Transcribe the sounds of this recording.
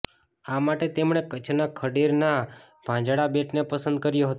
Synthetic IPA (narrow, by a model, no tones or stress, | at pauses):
amaʈet̪emɳekət͡ʃʰnakʰəɽiɾna | b̥ʱãd͡ʒɽabeʈnepəsə̃nd̪̚kəɾjoɦət̪